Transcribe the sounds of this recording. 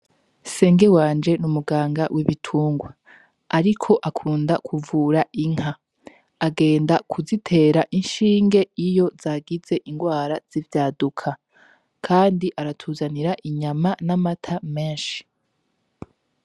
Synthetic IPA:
se̞ːŋɡe̞waːnd͡ʒe̞numuɡaːŋɡawʔiβitʰuːŋɡwa | aɾikʰo̞ʔakʰuːndakʰuvuːɾaʔiŋ̥ha | aɡe̞ːndakʰuzitʰe̞ːɾaʔinʃiːŋɡe̞ijo̞zaːɡize̞ʔiŋɡwaːɾaz̥ivjaːdukʰa | kʰaːndiʔaɾatʰuːzaniɾaʔiɲamanamatʰameːnʃi̥

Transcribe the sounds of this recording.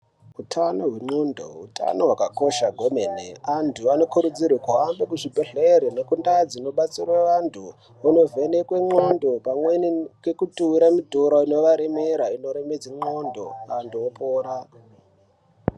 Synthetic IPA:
utʰano̞ɦweŋ͡ǃondo̰ṵta̰noɦwakako̞ʃaɡʱo̞menḛantʰuano̞kuɾud͡zirwekuɦambekuʐibʱeɮeɾenekundad͡zino̞ɓat͡sirwaʋantʰu | ano̞vʱenekwe̞ŋ͡ǃo̞ndo̞pamwenikekutuiɾamidʱoɾoino̞ʋaɾemeɾaino̞ɾemed͡ziŋ͡ǃo̞ndo̞̰andoopoːɾa

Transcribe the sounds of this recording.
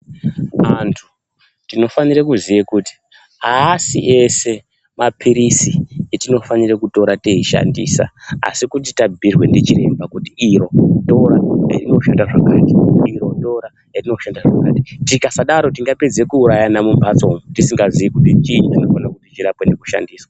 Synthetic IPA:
antʰu̥ | tino̞fanirekuzijekuti̥ | aːsḭʔe̞se̞ | mapʰiɾisietino̞fanirekuto̞ɾateiʃa̰ndḭːsa̰a̰sikut̬itabʱirwe̞ndet͡ʃiɾe̞̰mbakutiːɾo̞to̞ɾajḛrino̞ʃandaʐakaːtiiɾo̞to̞ɾa | erino̞ʃandaʐaka̰ti̥tikasaɗaɾo̞tiŋɡape̞d͡ze̞kuːɾajanamumbat͡so̞mutisiŋɡazijekutit͡ʃiɲutino̞fanakutit͡ʃiɾapwenekuʃa̰ndiːswa

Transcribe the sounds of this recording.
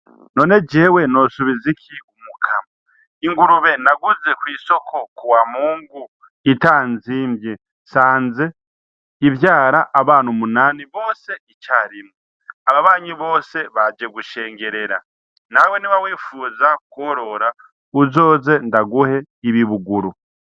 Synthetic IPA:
no̞ːne̞d͡ʒe̞ːwe̞no̞suβizikʰiumukʰama | iŋɡuɾuβe̞naɡuze̞kwiːso̞kʰo̞kuwamuːŋɡu | itaːnziːmbje | saːnze̞ | ivjaːɾaʔːβaːnumunaːniβo̞ːse̞it͡ʃaːɾimŋe | aβaβaːɲiβo̞ːse̞βad͡ʒe̞ɡuʃe̞ːŋɡe̞ɾe̞ɾa | nawe̞niβawiːfuːzakoɾo̞ɾa | uzo̞ːze̞ndaɡuhe̞ | iβiβuɡuɾu

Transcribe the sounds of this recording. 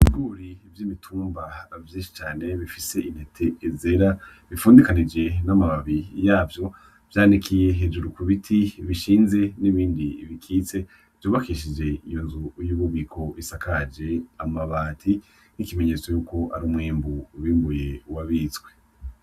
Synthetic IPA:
iiɡuːɾivjiːmitʰuːmbavjiːnʃi̥t͡ʃaːne̞βifise̞ʔin̥hetʰe̞ːzeɾaβifuːndikanid͡ʒe̞namaβaβijaːvjo̞ | v̥jaːnikʰije̞ɦeːd͡ʒuɾukuβitʰiβiʃiːnze̞niβiːndiβikʰiːt͡se̞ | v̥joːβakiʃ̬id͡ʒe̞ijo̞nzujuːβuβikʰo̞isakad͡ʒe̞amaβaːtʰi | nikime̞ɲe̞ːt͡sojuːko̞ʔa̰ɾuːmŋiːmbuβiːmbuje̞waβit͡sɡwe̞̥

